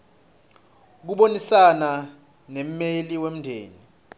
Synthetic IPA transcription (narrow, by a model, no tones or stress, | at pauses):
k̬uɓonisana | nɛm̩meliwem̩ndʱḛːni